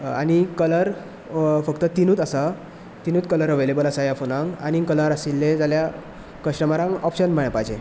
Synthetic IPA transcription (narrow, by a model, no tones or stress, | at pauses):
a̰ñikələɾ | fəkt̪ət̪inuːt̪asa | t̪inuːt̪kələɾɦəʋəjlebəlasajafonãŋkañikələɾasilːed͡zalja | kəɕʈəmaɾãŋɡɔpɕənm̤əɭ̃apajd͡ʑḛ